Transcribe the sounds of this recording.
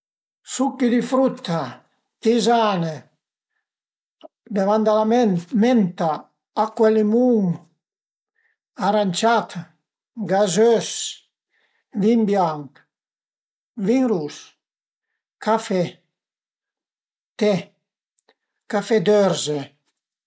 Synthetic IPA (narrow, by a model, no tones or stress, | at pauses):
sukːid̪ifɾut̪ːa | izane | bevand̪alamenment̪aː | kwɛlimuŋ | aɾanʲt͡ʃat̪ | ɡazøs | vimbjaŋk | viŋɾus | kafe | t̪e | kafɛd̪øɾze